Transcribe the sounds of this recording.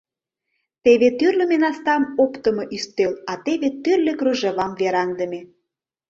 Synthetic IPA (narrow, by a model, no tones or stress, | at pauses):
t̪eβet̪yrlʲĕmenɑst̪ɑmopt̪ə̆mŏʔyst̪elɑt̪eβet̪yrlĕkruʒĕβɑmveɾɑŋd̪ə̆mʲe